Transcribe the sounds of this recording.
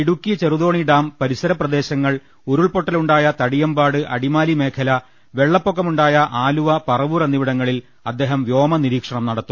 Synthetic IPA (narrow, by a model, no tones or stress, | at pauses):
iɽukːit͡ɕeruðo̞ːɳiɖaːmpɐɾisɐɾɐprɐd̪e̞ːɕɐŋːɐɭ | uɾuɭpo̞ʈːɐluɳɖaːjɐt̪ɐɽijɐmbaːɽɨʔɐɽimaːlime̞ːkʰɐlɐ | ʋe̞ɭːɐpːokːɐmuɳɖaːjɐʔaːluʋɐpɐrɐʋurɐnːiʋiɽɐŋːɐɭil | ɐd̪ːe̞ːɦɐmʋjo̞ːmɐniɾiːkʂɐɳɐmnɐɽɐt̪ːum